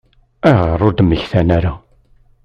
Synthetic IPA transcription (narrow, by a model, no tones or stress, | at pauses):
æʁərˤʊɾd̪əmːəçθænæɾa